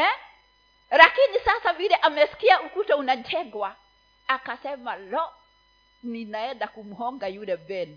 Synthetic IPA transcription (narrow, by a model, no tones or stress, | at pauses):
ɛ | lakinisasavilɛʔamɛsi̥kiaukutɛunatʰɛŋɡwa | akasɛmalɔ | ninaɛndakumuhɔŋɡajulɛvɛnu